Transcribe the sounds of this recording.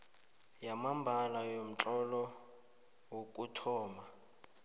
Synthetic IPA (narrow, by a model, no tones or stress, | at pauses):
jamambʱalajom̩t͡ɬʼɔlɔ | wokʼutʰɔːma